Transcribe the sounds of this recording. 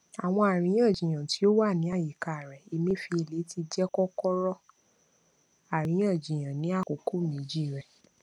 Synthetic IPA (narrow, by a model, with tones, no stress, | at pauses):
a˨w̃ɔ̃˧a˨ɾ̃ĩ˨˦j̃ã˦˨d͡ʒĩ˨j̃ã˨ti˨˦o˦wa˦˨nĩ˨˦a˦˨ji˨ka˨ɾɛ˨i˧mĩ˦fi˧e˧le˨˦ti˧d͡ʒɛ˦kɔ˦kɔ˦ɾɔ˦ | a˨ɾ̃ĩ˨˦j̃ã˦˨d͡ʒĩ˨j̃ã˨nĩ˨˦a˦˨ko˨ko˦mĩ˨˦d͡ʒi˦˨ɾɛ˨